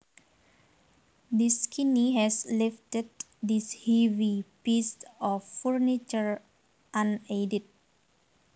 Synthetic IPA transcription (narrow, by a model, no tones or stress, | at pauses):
diskʰiniɦɛsliftəd̚ | dishɛvipisɔfːurnit͡ʃəɹ | ʔãnedit̪̚